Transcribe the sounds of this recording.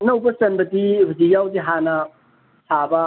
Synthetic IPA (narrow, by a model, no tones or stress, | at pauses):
nɐwbɐsɐnbɐtibʱizijawdiɦanɐ | sʰabɐ